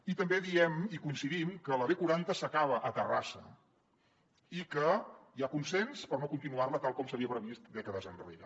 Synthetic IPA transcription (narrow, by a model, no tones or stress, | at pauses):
it̪əmbeðiɛmikunsiðimkələβekuɾant̪əsəkaβəʔət̪ərasə̰ | ikəjakunsɛnspəɾnokunt̪inuarlət̪alˠkɔmsəβiəpɾəβist̪d̪ɛkəðəzənrḛɾə̰